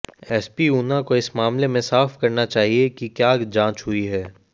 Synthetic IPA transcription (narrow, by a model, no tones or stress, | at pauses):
ɛːspiuːnakoɪsmaːmlemẽsaːfkɐɾnat͡ʃaːɦiekikjaːd͡ʒãːt͡ʃɦʊiɦɛː